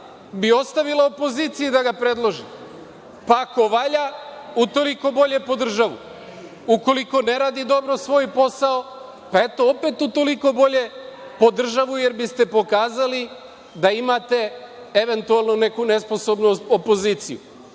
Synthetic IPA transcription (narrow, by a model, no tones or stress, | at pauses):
bio̞st̪aʋilaopo̞ziːt̪sijud̪aɡapɾe̞d̪lˠo̞ʒḭ | pako̞ʋaʎaut̪o̞liko̞bo̞ʎe̞po̞d̪r̩ʒaʋṵ | uko̞liko̞ne̞ɾaːd̪id̪o̞bɾosʋo̞ːjpo̞sao̞ | pae̞t̪o̞ope̞t̪ut̪o̞liko̞bo̞ʎe̞ | po̞d̪r̩ʒaʋuje̞ɾbist̪e̞po̞kaːzali | d̪aimat̪e̞ | eʋe̞nt̪ualˠnone̞kune̞spo̞so̞bnuopo̞ziːt̪sijṵ